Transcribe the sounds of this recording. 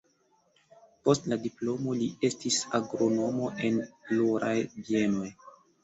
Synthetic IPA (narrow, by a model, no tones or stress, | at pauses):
po̞stladiplo̞mo̞lie̞stisaɡɾo̞no̞mo̞ʔe̞nploɾajbie̞no̞j